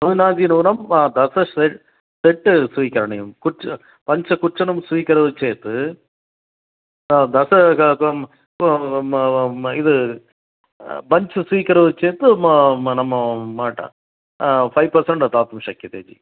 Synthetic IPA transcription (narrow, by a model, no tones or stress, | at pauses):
ɐɯnaːnd͡ʒinɐːnɐmd̪ɐsɐsɛ | sɛʈːsʋikːɐɾɐɳɐjumkʊʈ | pɐɲt͡ʃɐkʊʈʂɐnɐmsʋikːɐɾɐðɯt͡ʃeːt̪ːɯ | d̪ɐsɐ | ɪðɯ | bɐɲt͡ʃɨsʋiːkːɐɾɐðɯt͡ʃeːt̪ːɯnɐmːɐmaːʈːɐ̰ | pʰɐɪʋpɐɾsɐɳɖɐt̪aːt̪umʂɐkːit̪eːd͡ʒḭ